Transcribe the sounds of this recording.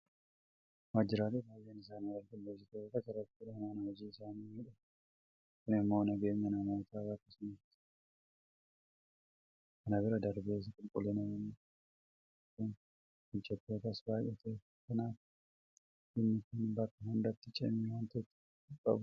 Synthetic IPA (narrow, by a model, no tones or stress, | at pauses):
mad͡ʒɪɾaːlɛbaːjːeːnɪsaːniwɐlɡɪlːd͡ʒɪt̪ːt̪ɐkɐrɐt̪ːɪɾɐnanɐhɔd͡ʒiːɪsaːniɪᶑɐ | kʊnɪmːo̞ːnɐɡe̞ːɲːɐnɐmoːt̪aːbakːɐsʊnɐt̪ːɪ̥ | ʔɐnɐbɪɾɐd̪ɐɾbeːs̬ɐkʼʊlkʼʊlɛnɔnː | kʊn | hɪd͡ʒːɛt̪ːo̞ːt̪ɐsbaːʔɛt̪ʰɐ | kɐnaːf | ɪnːɪkʊnbɐkːɐɦʊnd̪ɐt̪ːɪt͡ʃʼɛ̰mːɪwɐnt̪ɛt̪ːɪ̥ | ɪkʼːɐ̰bʊ